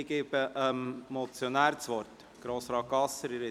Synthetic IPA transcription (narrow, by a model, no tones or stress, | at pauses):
ɡeːb̥əʔəmmɔt͡sjonæːɾt͡sʋɔɾt | ɡ̥ɾoːsɾɑːk̚ɡ̥ɑsəɾiɾɛ